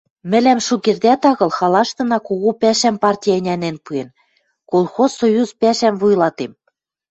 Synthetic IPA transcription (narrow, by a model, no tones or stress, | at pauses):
mɘ̆læmʃukerd̪æt̪ɑɣɤ̆lxɑlɑʃt̪ɤ̆nɑkoɣopæʃæmpɑrtʲijɑɘ̆nʲænenpuen | kolˠxozsojuzpæʃæmvujlɑt̪em